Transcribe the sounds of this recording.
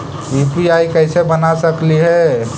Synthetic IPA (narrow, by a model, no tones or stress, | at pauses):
ʋipiaikəɪsebənasəkliɦɛ